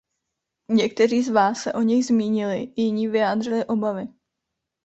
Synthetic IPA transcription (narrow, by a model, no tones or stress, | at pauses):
ɲɛkt̪ɛriːzvaːsːɛʔo̞ɲɛjzmiːɲɪlɪjɪɲiːvɪjaːd̪r̝ɪlɪʔo̞bavɪ